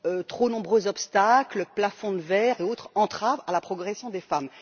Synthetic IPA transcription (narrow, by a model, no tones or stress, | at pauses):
øt̪χonɔ̃bʁøzɔpst̪akləplafɔ̃d̪əvɛʁeot̪χɑ̃t̪χavalapχɔɡʁɛsjɔ̃d̪efam